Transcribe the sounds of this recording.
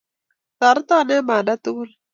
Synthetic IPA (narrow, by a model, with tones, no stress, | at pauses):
ta˨ɾt̪a˦˨nɛ˦ma˨da˦t̪u˦ɡu˦l